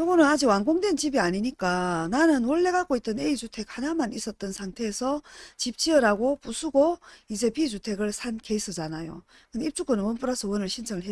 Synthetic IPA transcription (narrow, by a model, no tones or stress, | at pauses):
jʌɡonɯnad͡ʑiɡwaŋɡoŋdwe̞nt͡ɕibiaɲiɲik͈ananɯnoɭːe̞ɡak͈oit͈̚ʌne̞it͡ɕutʰe̞k̚hanamanis͈ʌt̚t͈ʌnsʰaŋtʰe̞ːsʰʌt͡ɕip̚t͡ɕiʌɾaɡopusʰuɡoid͡ʑe̞pid͡ʑutʰe̞ɡɯɭsʰanke̞isʰɯd͡ʑanajo̰ | kɯndeip̚t͡ɕ͈uk͈ɯnɯnwʌnp͈uɾasʰʌwʌnɯɭɕʰind͡ʑʰʌŋɯɭɦe